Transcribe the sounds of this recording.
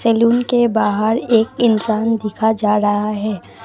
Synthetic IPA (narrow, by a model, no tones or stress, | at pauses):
sɛːluːnkebaːɦəɾeːkɪnsaːnd̪ɪkʰad͡ʒaːɾɐɦaɦɛː